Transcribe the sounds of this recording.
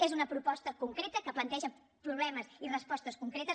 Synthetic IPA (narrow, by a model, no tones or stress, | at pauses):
ezunəpɾupɔst̪əkuŋkɾet̪əkəplənt̪ɛʒə | pɾuβlɛməzirəspɔst̪əskuŋkɾet̪əs